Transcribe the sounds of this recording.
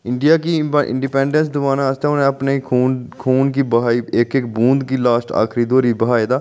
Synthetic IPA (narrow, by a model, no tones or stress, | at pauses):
ɪɳɖijaːkiɪ̰̃ɳɖipɛ̃ːɳɖə̃nsd̪ʊbaːnaəst̪eʊnẽəpneiuːnkʰuːnkiːbəɦaːiːekeːkbũːnd̪kiːlaːsʈa̰ːkʰɾid̪oːɾiːbəɦaːid̪aː